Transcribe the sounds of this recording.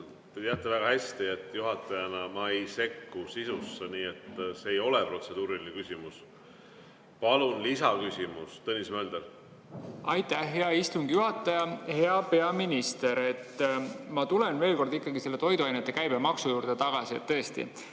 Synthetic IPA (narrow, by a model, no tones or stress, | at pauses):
t̪e̞t̪eɑt̪ːˑevæɡ̥ɑhæsʲt̪iet̪ːjuɦɑt̪ːˑɑjɑnɑmɑejse̞kːusisusːeniːet̪ːseːjo̞lepro̞t̪se̞d̪̥uːɾilinekysʲimus | pɑlunlisɑkysʲimust̪ɤnʲismæːnd̪el | ɑjt̪ˑːæhɦeɑist̪uŋɡ̥juɦɑt̪ːˑɑjɑhe̞ɑpe̞ɑminist̪e̞ɾe̞t̪ːmɑt̪ulenve̞ːlko̞rd̪ikːˑɑɡise̞lːe̞t̪o̞jd̪uɑjnet̪ːˑekæjbemɑksujuːɾd̪̥et̪ɑɡ̥ɑsiet̪ːɤ̞est̪ḭ